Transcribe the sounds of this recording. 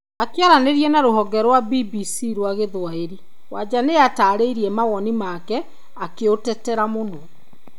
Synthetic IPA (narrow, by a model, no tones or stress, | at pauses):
akeaɾaneɾiɛnaɾoɦɔɡɛɾwabibisiɾwaɣeðwaeɾi | wa̰d͡ʑaneataːɾeiɾiɛmaɣɔnimakɛ | akeotɛtɛɾamonɔ